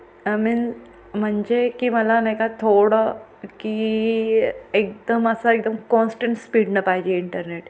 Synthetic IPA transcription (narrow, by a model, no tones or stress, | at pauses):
amin | m̤əɳd͡ʑekiməlanakat̪ʰoɽə | ki | ek̚d̪əməsəek̚d̪əmkɔnsʈəɳʈspiɽnəpaɦid͡ʑeiɳʈəɾneʈ